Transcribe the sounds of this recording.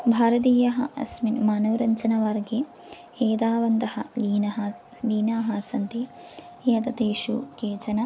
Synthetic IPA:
bʱaːɾɐt̪̬iːjɐɦɐ̰ʔɐ̰sminmaːnɐʋɾɐɲt͡ʃɐnɐʋɐɾɡe | eːd̪aːʋɐnd̪ɐhɐ̰liːnɐɦɐ | liːnaːɦɐsɐnt̪i | jɐt̪ɐt̪eːʃṵkeːt͡ʃɐnɐ

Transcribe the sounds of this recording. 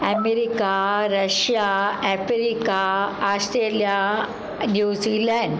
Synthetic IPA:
ɐmeɾikaɾɐʃjaɛpeɾikaasʈɾelija | njuːzilɛɳɖ

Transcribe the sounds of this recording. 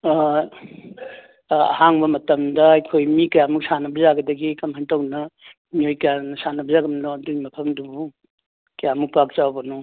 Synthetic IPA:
ɐ̰haŋbɐmɐtɐmdɐɐjkʰojmikɐjamuk̚sanɐbɐzaɡɐdɐɡikɐmhɐntawnɐ | mijojkɐjanɐsanɐbɐzaɡɐmnɔɐduɡimɐpʰɐmdubu | kɐjamuk̚pak̚t͡ʃawbɐnɔ

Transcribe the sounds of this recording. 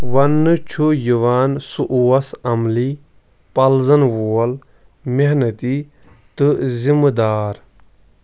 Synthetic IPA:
ʋɐnːɨt͡ʃʰujuʋaːnsuʔuːɐsɐmli | pɐlzɐnʋoːɐl | meɦnɐt̪i | t̪ɨzimd̪aːɾ

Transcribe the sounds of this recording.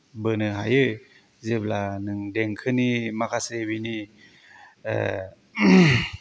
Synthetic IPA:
bənɯɦajɯ | zeblanɯŋdɛŋkʰɯnimakʰasebini

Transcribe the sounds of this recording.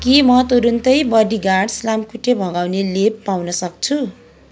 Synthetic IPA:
kimʌt̪uɾunt̪ʌjbʌdiɡaɽslamkuʈebʱʌɡawnelepːawnʌsʌk̚t͡sʰu

